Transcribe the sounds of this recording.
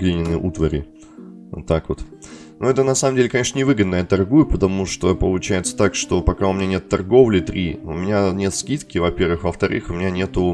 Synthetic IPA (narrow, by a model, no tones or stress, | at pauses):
ɡlʲenʲɪnːɨʔut̪vəɾʲɪ̰ | o̰t̪ːakvot̪ | nuɛt̪ənɐsaməmdʲelʲɪkɐnʲe̞ʂnənʲɪvɨɡəd̪nəjat̪ɐrɡujʊpət̪ɐmuʂt̪opəlˠʊt͡ɕæjɪt̪sə̥t̪akʂt̪o̞pɐkaʊmʲɪnʲanʲe̞t̪t̪ːɐrɡo̞vlʲɪt̪ɾʲiʊmʲɪnʲanʲe̞t̪skʲit̪kʲɪvɐpʲe̞rvɨxvəft̪ɐɾʔɨ̰xʊmʲɪnʲanʲe̞t̪ʊ